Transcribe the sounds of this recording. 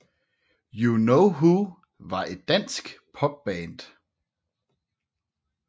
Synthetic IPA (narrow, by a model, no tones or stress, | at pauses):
junoʊɦu | ʋɑ̈e̝d̥ːæn̰sɡ̥pʰɒ̽b̥̚b̥ɛnd̥